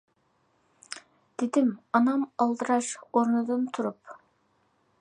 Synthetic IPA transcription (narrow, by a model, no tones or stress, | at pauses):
d̪̥ɪd̪ɪmɑnɑmɑlˠd̪ɨɾɑʃoɾnɨd̪ɨnt̪ʰuɾup